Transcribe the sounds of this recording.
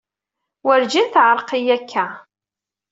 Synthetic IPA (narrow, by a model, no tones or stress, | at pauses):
wəɾd͡ʒinθʕəɾˤqijækʰːæ